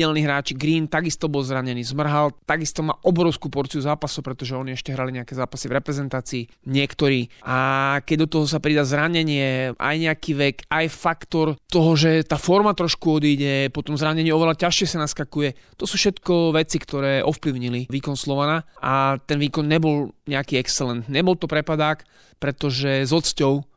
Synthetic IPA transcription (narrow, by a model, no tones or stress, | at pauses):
ɛlniːɦɾaːt͡ʃiɡɾiːnt̪aɡist̪ɔbɔlzɾaɲɛniːzmr̩ɦalt̪aɡist̪ɔma̰ːʔɔbɾɔʊskuːpɔɾt͡siuzaːpasɔʊpɾɛt̪ɔʒɛɔɲiɛʃcɛɦɾaliɲɛakɛzaːpasivɾɛpɾɛzɛnt̪aːt͡siː | ɲɪɛkt̪ɔɾiːakɛɟd̪ɔt̪ɔɦɔsapɾid̪aːzɾaɲɛɲɪɛʔa̰jɲɛakiːʋɛkajfakt̪ɔɾt̪ɔɦɔʒɛt̪aːfɔɾmat̪ɾɔʃkuɔd̪iːɟɛpɔt̪ɔmzɾaɲɛɲɪɛɔʋɛlacaʃɪɛsanaskakujɛt̪ɔsuːfʃɛt̪kɔʋɛt͡sikt̪ɔɾɛːʔɔfpliʊɲiliʋiːkɔnslɔʋanaʔat̪ɛnʋiːkɔnɲɛbɔlɲɛakiːɛkst͡sɛlɛnt̪ɲɛbɔlt̪ɔpɾɛpad̪aːk | pɾɛt̪ɔʒɛzɔt͡scɔʊ